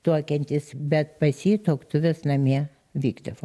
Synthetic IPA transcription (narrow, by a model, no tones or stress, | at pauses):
t̪uɔkʲɛnʲt̪ʲɪsbʲɛt̪̚pɐsʲiːt̪oɔkt̪ʊʋʲɛsnɐmʲiɛ | ʋʲiːɡd̪ɐʋo